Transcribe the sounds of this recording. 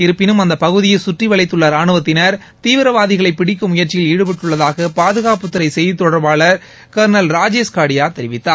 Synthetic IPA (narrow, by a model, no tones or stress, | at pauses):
ɪɾɯpːɪnɯmɐnd̪ɐpɐɣɯðɪjɐsʊʈriʋɐɭɐɪt̪ːɯɭːɐɾaːɳɯʋɐt̪ːɪnɐɾ | t̪iːʋɪɾɐʋaːðɪɣɐɭɐɪpːɪɽɪkːɯmʊjɐɾt͡ʃɪjɪliːɽɯpɛʈːɯɭːɐðaːɣɐpaːðɯɣaːpɯt̪ːɯɾɐɪsɛjðit̪ːɔɽɐɾbaːɭɐɾ | kɐɾnɐlɾaːd͡ʒeːskaːɽɪjaːt̪ɛɾɪʋɪt̪ːaːɾ